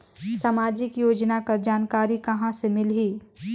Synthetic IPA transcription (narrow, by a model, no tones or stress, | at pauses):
samaːd͡ʒɪkjoːd͡ʒnakɐɾd͡ʒaːnkaːɾikɐɦãsemɪlɦiː